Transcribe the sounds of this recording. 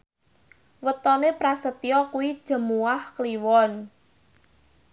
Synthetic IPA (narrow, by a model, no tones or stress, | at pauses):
wət̪ɔnepɾasət̪ijɔkuwid̥ʒ̥ə̤muahkliwɔn